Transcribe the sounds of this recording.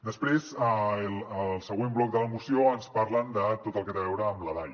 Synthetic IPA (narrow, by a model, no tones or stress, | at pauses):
d̪əspɾezələlˠsəɣwemblɔk̚d̪ələmusioənspaɾlənd̪ət̪ot̪əlˠkɛt̪əβɛwɾəːmləðaj